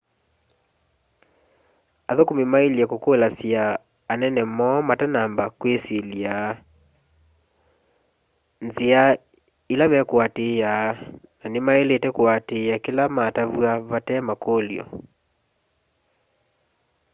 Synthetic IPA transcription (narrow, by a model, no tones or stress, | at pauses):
aðokomemaeliakokolasjaː | nɛnɛmɔmatanambakwesilia | nzea | ilamɛkwatejaːnanemaeletɛkwatejakelamataβwaβatɛmakoːljɔ̰